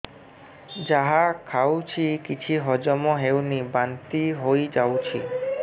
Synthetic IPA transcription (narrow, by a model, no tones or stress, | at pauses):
d͡ʒaɦakʰawt͡ʃʰikit͡ʃʰiɦɔd͡ʒɔmɔɦewnibant̪iɦojd͡ʒawt͡ʃʰḭ